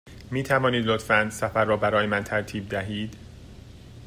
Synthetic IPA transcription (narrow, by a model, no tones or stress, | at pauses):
miːt̪ʰævɒːniːd̪lot̪fænd̪sæfæɾːɒːbæɾɒːjemænt̪ʰæɾt̪ʰiːb̚d̪æɦiːd̪